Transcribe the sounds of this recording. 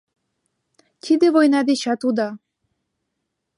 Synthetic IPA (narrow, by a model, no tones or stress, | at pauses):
t̪ʲʰid̪evojnɑd̪eɕɑt̪ud̪ɑ